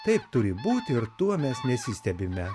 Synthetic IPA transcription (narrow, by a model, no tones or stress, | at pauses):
t̪ɐɪpt̪ʊɾʲɪbuːt̪ʲɪɾt̪uɔmʲɛsnʲɛsʲiːsʲt̪ʲɛbʲɪmʲɛ